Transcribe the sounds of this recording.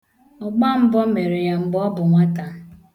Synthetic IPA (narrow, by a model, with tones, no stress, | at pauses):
ɔ˨ɡ͡ba˦m̩˦bɔ˦me˨ɾe˨ja˨m̩˨ɡ͡bɔ˦bʊ˨ŋʷa˦ta˨